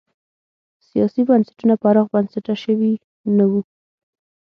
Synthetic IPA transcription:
sijɑsibansḁʈunapəaɾɑɣbansaʈaʃəwi | nawu

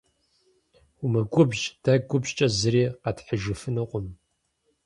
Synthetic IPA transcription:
ʊmɨɡʷʊbʒd̥ɐɡʷʊbʑt͡ʃʼɐzɨɾiːqɐtħəʒɨfɨnɨqʷʼʊm

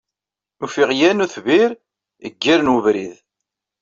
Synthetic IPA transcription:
ufiʁjænuθviɾ | ə̰ɡːiɾnwəvɾið

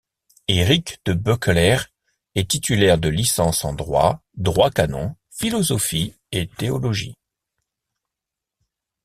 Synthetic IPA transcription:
eʁikd̪̥əbøklɛʁ | ɛt̪it̪ylɛʁd̪əlisɑ̃sɑ̃d̪ʁwa̰d̪ʁwakanɔ̰̃ | filɔzɔfi | et̪eɔlɔʒḭ

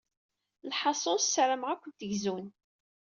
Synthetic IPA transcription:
lħɑsˤossɾəmʁækʷːənt̪əʝzun

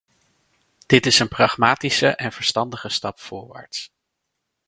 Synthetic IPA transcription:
d̥ɪtɪsənprɑχmaːtisəʔɛnv̥əɹstɑndəχəstɑpfʊːɹʋa̰ːɹts

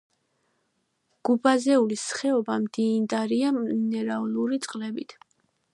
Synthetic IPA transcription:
ɡ̥ubazɛulisχɛɔbamd̪̥iːnd̪aɾianɛɾaɔluɾit̪sʼqʼlɛbit̪ʰ

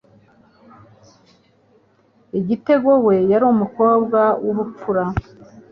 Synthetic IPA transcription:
iɟite̞ɡo̞we̞jaɾomuko̞ːbɡawʔuβup͡fuɾa

